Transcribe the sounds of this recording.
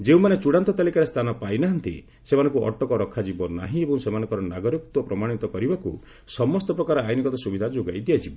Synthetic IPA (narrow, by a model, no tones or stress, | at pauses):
d͡ʒeũmanet͡ʃuɽant̪ɔt̪alikaɾest̪ʰanɔpajnaɦant̪ḭ | semanɔ̃ŋkuɔ̰ʈɔkɔɾɔkʰːad͡ʒibɔna̰ɦĩebɔ̃ŋ̃semanɔ̃ŋkɔɾɔnaɡɔɾik̚t̪wɔpɾɔmaɽ̃it̪ɔkɔɾibaku | sɔmɔst̪ɔpɾɔkaɾajnikɔt̪ɔsubid̪ʱad͡ʒoɡajd̪ijad͡ʒibɔ